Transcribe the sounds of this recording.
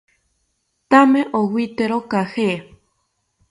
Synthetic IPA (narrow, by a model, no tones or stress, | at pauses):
t̪ameʔowit̪eɾokahe